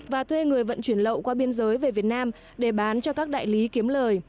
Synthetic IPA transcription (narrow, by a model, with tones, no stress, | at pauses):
vaː˨˩t̪ʰwe˧ŋɨ˨˩əjvə̰˧˨nt͡ɕwi˧˩ənlə̰˧˨wkwaː˧ɓi˧ənzəː˨˦jve˨˩vi˨˩ət̚naː˧m | ɗe˧˩ɓaː˨˦nt͡ɕɔ˧kaː˦˥k̚ɗa̰ː˧˨jli˨˦ki˨˦əmləː˨˩j